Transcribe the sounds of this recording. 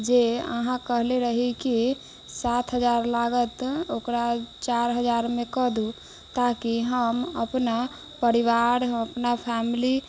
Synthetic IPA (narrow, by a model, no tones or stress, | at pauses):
d͡ʒeə̰ɦãkəɦleɾəɦiki | sat̪ʰɦəd͡ʒaɾlaɡət̪okɾat͡ʃaɾɦəd͡ʒaɾmekəd̪ʱu | t̪akiɦəməpna | pəɾiʋaɾɦəpnapʰɛmili